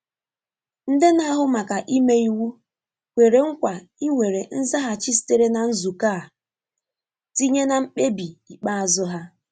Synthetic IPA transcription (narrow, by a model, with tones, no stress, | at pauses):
n̩˨de˦na˦ɦʊ˦ma˨ka˨ʔi˦me˦i˦wu˦ | kʷe˨ɾe˨ŋ̩˦kʷa˨ | i˦ŋʷe˨ɾe˨n̩˦za˦ɦa˦t͡ʃi˦s̬i̥˦te˦ɾe˦na˨n̩˦zu˨kaː˦˨ | ti˦ɲe˦na˨m̩˦k͡pe˦bi˨i˨k͡pa˦a˨zʊ˦ɦa˦